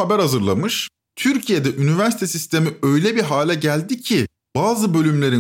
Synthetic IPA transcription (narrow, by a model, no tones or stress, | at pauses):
abæɾhazɯɾlˠa̰mɯʃ | t̪ʰyɾcʰijed̪ɛʔynyvæɾsi̥t̪ʰesist̪ʰe̞miø̞jlʲɛbiɾɦaːlʲɛɟælʲd̪icʰi | baːzɯbø̞lʲymlʲe̞ɾi